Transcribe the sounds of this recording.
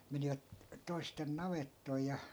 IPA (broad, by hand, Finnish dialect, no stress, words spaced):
meniʋæt toisten nɑʋetːoi jɑ